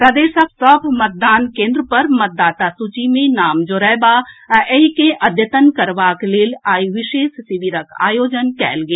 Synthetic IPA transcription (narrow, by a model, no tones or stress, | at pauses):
pɾɐd̪eːʃək̚sɔːbmɐt̪̚d̪aːnkẽːnd̪ɾəpɐɾmɐt̪̚d̪aːt̪asut͡ʃimẽnaːmd͡ʒoːɾɛːbaːeikẽʔɐd̪ʱjət̪ənkɐɾʋaːkleːlaːiʋɪʃeːssɪʋiɾəka̰ːjoːd͡ʒənkɛ̰ːlɡeː